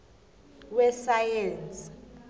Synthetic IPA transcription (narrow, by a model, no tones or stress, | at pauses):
wɛsajɛnt͡sʼ